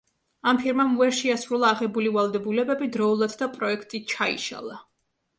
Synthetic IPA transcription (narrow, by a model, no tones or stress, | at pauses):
ampʰiɾmamvɛɾʃiasɾulˠaːʁɛbulivalˠd̪ɛbulɛbɛbid̪ɾɔulˠad̪d̪apʼɾɔɛkʰt̪ʼit͡ʃʰaḭʃa̰lˠa